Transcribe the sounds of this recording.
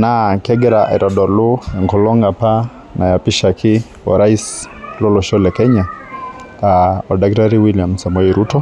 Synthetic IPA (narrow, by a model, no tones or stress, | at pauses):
nakɛɡɛɾaʔɛ̰ɾʔɔdɔɾlʊɛŋkɔlɔŋapa | najapiʃakʰɪ | wɔ̰ɾaislɔlɔʃɔlɛkɛɲa | aɔdak̚taɾiwiljamsamɔjiɾutɔ